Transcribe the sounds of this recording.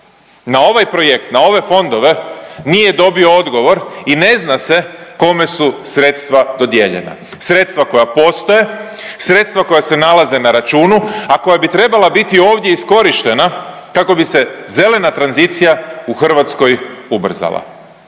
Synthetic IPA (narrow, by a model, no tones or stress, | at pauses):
nao̞ʋajpɾo̞je̞kt̪nao̞ʋe̞fo̞nd̪o̞ʋe̞nije̞d̪o̞bio̞o̞d̪ɡo̞ʋo̞ɾine̞znase̞ko̞me̞susɾe̞t̪st̪ʋad̪o̞d̪jeʎe̞̰na̰ | sɾe̞t̪st̪ʋako̞japo̞st̪o̞je̞ | sɾe̞t̪st̪vʋako̞jase̞nalaze̞naɾat͡ʃuːnuako̞jabit̪ɾe̞balabit̪io̞ːʋd̪je̞isko̞ɾiʃt̪e̞na | kako̞bise̞ze̞le̞nat̪ɾanzit̪sijauxr̩ʋat̪sko̞jubr̩za̰la̰